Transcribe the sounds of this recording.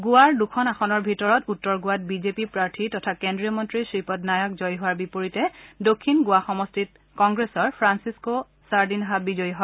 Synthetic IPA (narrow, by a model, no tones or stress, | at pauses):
ɡʊwaɹdukʰɔnaxɔnɔɹbʱitɔɹɔtutːɔɹɡʊwat̚bizepipɹaɹtʰitɔtʰakendɹiɔmɔntɹisɹipɔtnajɔkzɔjɦʊwaɹbipoɹitɛdokʰːinɡʊaxɔmɔstit | kɔŋɡɹesɔɹpʰɹansisko | saɹdinɦabizɔjɦɔa